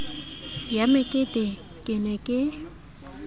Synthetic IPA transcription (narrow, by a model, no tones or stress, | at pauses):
jamɪkʼɪdʼɪ | kʼɪnɛkʼɪ